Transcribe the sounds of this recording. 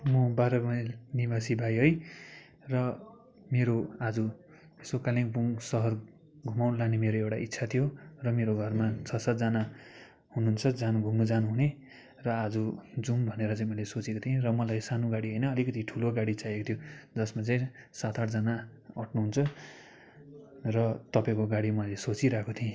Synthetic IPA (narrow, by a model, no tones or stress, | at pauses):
mʌbaɾʌmʌjnibasibʱajɦʌj | rʌ | meɾoad͡zu | esokalĩkbuŋsʌɦʌr | ɡʱumawnʌlanemeɾoewʈa̰ʔit̪ːsʰat̪ʰijorʌmeɾoɡʱʌrmat͡sʰʌsat̪̚d͡zana | ɦununt͡sʰʌd͡zanɡʱumnud͡zanuɦune | rʌad͡zud͡zumbʱʌneɾʌt͡saĩmʌlesot͡sekot̪ʰiẽrʌmʌlajsanuɡaɽiɦʌjnʌʌlikʌt̪iʈʰuloɡaɽit͡sajekot̪ʰjod͡zʌsmat͡saĩ | sat̪ʰaʈd͡zana | ʌʈnuɦunt͡sʰʌ | rʌt̪ʌpaẽkoɡaɽimʌlesot͡siɾakot̪ʰiẽ